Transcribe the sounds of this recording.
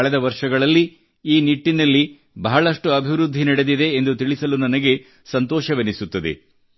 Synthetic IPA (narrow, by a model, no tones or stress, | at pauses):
ɐɭɛd̪ɐʋɐɾʂɐɡɐɭɐlːi | iːniʈːinɐlːi | bɐɦɐɭɐʂʈuɐbʱiʋɾud̪ʱːinɐɽe̞d̪id̪e̞ːnd̪ut̪iɭisɐlunɐnɐɡe̞ | sɐnt̪ɔːʃɐʋenisut̪ːɐd̪ḛ